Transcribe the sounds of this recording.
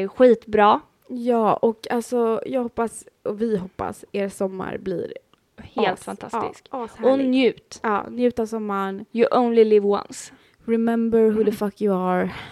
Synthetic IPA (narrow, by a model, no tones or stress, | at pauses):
ɧiːt̪bɾɑː | jɑːɔkalsɔjɑːɡhɔpːasɔvɪɦɔpːa̰seːɾsɔmːa̰ɾblɪ̰ɾ | heːlt̪fant̪ʰa̰sːt̪ɪ̰skːshɔnjʉ̟ːt̪ɑ̰ːnjʉ̟ːt̪asɔmːaɳjəʔõʊnlɪlɪvwã̰ns | ɾɪmɛmbəɾɦʉðəfakʰjʊaɾ